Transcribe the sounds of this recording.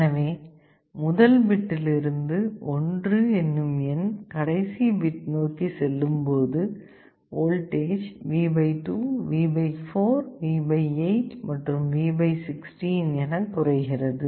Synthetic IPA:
ɛnɐʋeː | mʊðɐlbɪʈːɪlɪɾɯnd̪ɯɔndrɯɛnːɯmɛnkɐɽɐɪsibɪʈnoːkisɛlːɯmpoːðɯ | oːlʈeːd͡ʒʋiːbɐɪʈuːʋiːbɐɪfoːɾʋiːbɐɪɐɪt͡ʃmɐʈrɯmʋiːbɐɪsɪksʈinɛnɐkːʊrɐɪɣɪrɐðɯ

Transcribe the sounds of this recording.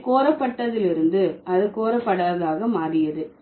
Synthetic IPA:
koːɾɐpːɐʈːɐðɪlɪɾɯnd̪ɯɐðɯkoːɾɐpːɐɽaːðaːɣɐmaːɾɪjɐðɯ

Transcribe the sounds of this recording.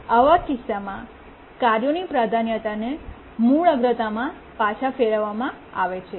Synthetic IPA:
əʋakɪsamã | kaɾjonipɾad̪ʱanjət̪ane | muɭəɡɾət̪amã | pat͡ʃʰafeɭəʋamãaʋet͡ʃʰe

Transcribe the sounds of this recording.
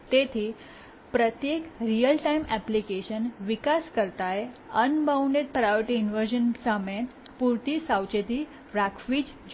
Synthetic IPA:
t̪et̪ʰiː | pɾət̪jekɾijəlʈajmʔæplikeɕənʋikaskəɾt̪ajənbawɳɖeʈ̚pɾajəʈiːnʋəɾd͡ʑənsamẽ | puɾt̪iːsawt͡ɕet̪iː | ʋakʰʋiːd͡ʑ | d͡ʑ

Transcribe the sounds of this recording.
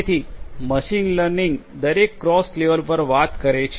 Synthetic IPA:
t̪ʰiːməɕinləɾniŋɡ | d̪əɾekːɾɔsleʋəlpəɾʋat̪kəɾəjt͡ɕʰ

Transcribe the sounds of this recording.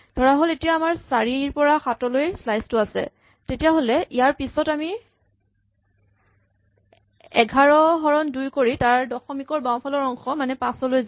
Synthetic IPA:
d̥ʱɔɹaɦoletijaːmaɹsaɹiɹpɔɹaxatɔlojslajstʊasɛ̰ | tetijaɦolɛʔijaɹpisɔtami | ɛɡʱaɹɔɦɔɹɔndujkoɹitaɹdɔxɔmikɔɹbaw̃pʰalɔɹɔŋxɔmanɛpãsɔlojz

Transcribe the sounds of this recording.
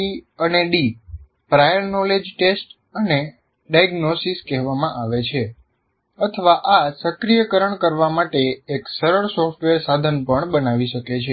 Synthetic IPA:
iəneɖi | pɾajəɾnɔled͡ʒʈesʈ | əne | ɖaiɡnosiskɛɦʋamãʔaʋet͡ʃʰe | ət̪ʰəʋaʔasəkɾijəkəɾəɳkəɾʋamaʈeːksəɾəɭsɔfʈʋeɾsad̪ʱənpəɳbənaʋiʃəket͡ʃʰe

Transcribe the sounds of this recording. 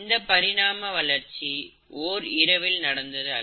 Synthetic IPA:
nd̪ɐpːɐɾɪɽaːmɐʋɐlɐɾt͡ʃi | ʔoːɾɪɾɐʋɪlnɐɽɐnd̪ɐðɯɐ̰

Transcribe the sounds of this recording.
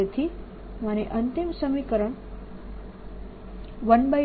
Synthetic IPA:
ət̪ʰi | mañeʔənt̪imsəmikəɾəɳ | ʋənba

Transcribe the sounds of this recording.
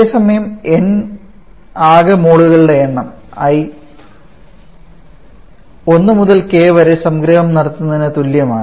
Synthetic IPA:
esɐmɐjɐmen | aːɣɐmoːɽuɣɐɭɨɽeeɳːɐm | ɐj | o̞nːɨmuðɐlke̞ːʋɐɾesɐmɡɾɐɦɐmnɐɽɐt̪ːunːɐðinɨt̪uljɐmaːɳ

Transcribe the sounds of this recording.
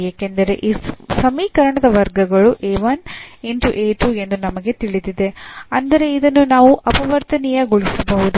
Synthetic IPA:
jeːkend̪ɐɾe̞ʔiːsɐmiːkɐɾɐɳɐd̪ɐʋɐɾɡɐɡɐɭuʔeːʋɐneɳʈuʔeːʈue̞nd̪unɐmɐɡe̞t̪iɭid̪id̪e̞ɐnd̪ɐɾe̞id̪ɐnːunaːʋuʔɐpɐʋɐɾt̪ɐnɛjɐɡuɭisɐbɐɦud̪u

